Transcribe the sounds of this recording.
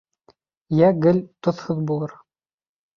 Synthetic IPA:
jæɡɘ̆lʲt̪ŏθhɤðbulˠɤɾ

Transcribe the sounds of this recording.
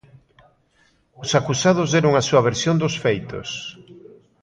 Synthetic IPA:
ʊsakusað̞ʊzðɛɾʊŋasuɐβ̞eɾsjond̪ʊsfejt̪ʊ̰s

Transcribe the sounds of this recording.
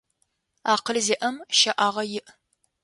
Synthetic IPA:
aːqəlzeːʔɐmʃɐʔaːʁɐjɪʔ

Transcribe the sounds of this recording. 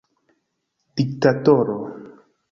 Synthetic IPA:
d̥ik̚tatoɾo

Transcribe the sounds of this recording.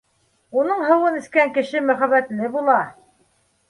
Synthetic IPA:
unɤɴɦɤ̆wɤnɘ̆skæŋkɘ̆ʃɘmɵ̆χæβæt̪lɘbulˠɑ

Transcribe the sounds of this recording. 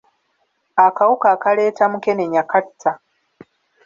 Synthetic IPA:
akawukaːkale̞ːtamuke̞neɲakatʰːa

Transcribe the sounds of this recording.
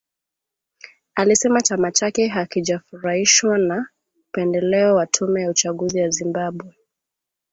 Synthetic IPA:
alisɛmat͡ʃamat͡ʃakɛɦakiʄafuɾahiʃwana | upɛndɛlɛɔwatʰumɛjaut͡ʃaɠuzijazimbaɓwɛ

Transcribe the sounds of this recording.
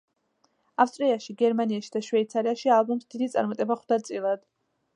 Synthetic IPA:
afst̪ʼɾiaʃiɡɛɾmaniaʃid̪aʃvɛit̪sʰaɾiaʃialˠbɔmsd̪̥id̪it̪sʼa̰ɾmat̪ʼɛbaχwd̪at̪sʼilˠad̪̥

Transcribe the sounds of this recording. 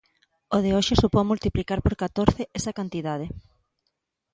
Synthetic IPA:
oð̞eoʃesupomult̪iplikaɾpoɾkat̪oɾθɪesɐkant̪iðaðe

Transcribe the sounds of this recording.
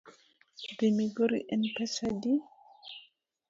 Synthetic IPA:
demiɡoɾḭʔɛnpɛsadi

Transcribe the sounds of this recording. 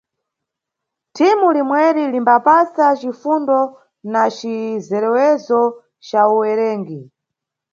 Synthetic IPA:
tʰimulimwɛɾilimbapasat͡ʃifundɔ | nat͡ʃizɛɾɛwɛzɔ | t͡ʃauwɛɾɛːŋɡi

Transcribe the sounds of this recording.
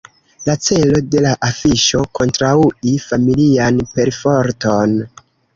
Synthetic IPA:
lat͡se̞lo̞de̞laʔafiʃo̞kʰo̞ntɾauifamilianpe̞ɾfo̞ɾto̞n

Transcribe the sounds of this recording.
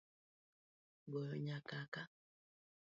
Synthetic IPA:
ɡɔɾɔɲakaka

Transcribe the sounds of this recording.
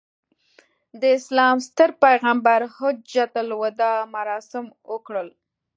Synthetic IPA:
d̪əɪslɑmst̪əɾpajɣambaɾhʊd͡ʒat̪alwəd̪ɑmaɾɑsɪmwəkɽəl

